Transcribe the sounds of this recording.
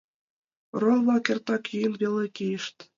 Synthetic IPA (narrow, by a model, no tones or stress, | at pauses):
rolˠβɑkʲĕrt̪ɑkjynβʲelʲekʲijɘ̆ʃt̪ʲ